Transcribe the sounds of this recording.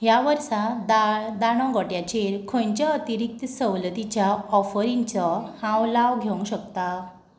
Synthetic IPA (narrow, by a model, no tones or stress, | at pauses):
jaʋəɾsad̪ad̪aɽ̃ɔ̃ɡɔʈjat͡ɕeɾkʰõɲt͡ɕjaːt̪iɾik̚t̪səwlət̪it͡ɕjaɔfəɾĩnt͡sɔhãwlaʋɡʱew̃ɕəkt̪a